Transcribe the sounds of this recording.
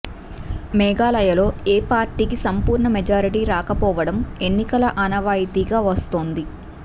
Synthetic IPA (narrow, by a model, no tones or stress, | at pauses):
mɛːɡaːlɐjɐlo̞ːeːpaːɾʈiːkisɐmpuːɾɳɐmɛd͡ʒaːɾiʈiːɾaːkɐpɔːʋɐɽɐme̞nːikɐlɐʔɐnɐʋaːjit̪iːɡaːʋɐst̪o̞ːnd̪i